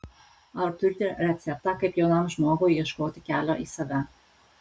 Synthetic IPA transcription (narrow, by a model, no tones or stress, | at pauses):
ɐt̪ʊɾʲt̪ʲɪɾʲɛt̪sʲɛp̚t̪ɑkɐɪpjoʊnɐmʒmoːɡoiɛʃkoːt̪ʲɪkʲæːlʲoːʔiːsɐʋʲɛ